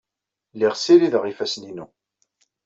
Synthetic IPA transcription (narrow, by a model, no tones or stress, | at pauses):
liʁsiɾiðəʁifæsninu